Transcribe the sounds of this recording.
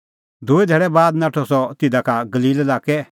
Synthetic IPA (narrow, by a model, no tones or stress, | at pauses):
d̪ʱʊed̪ʱɛːɽɛbaːd̪naʈʰɔsɔt̪ɪd̪akaɡɐliːlɛlaːkɛ